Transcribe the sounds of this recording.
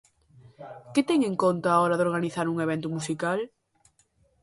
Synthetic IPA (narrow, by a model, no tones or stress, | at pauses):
ket̪eŋẽŋkõnt̪aːoɾaðoɾɣ̞aniθaɾuŋeβ̞ẽnt̪̬umusikal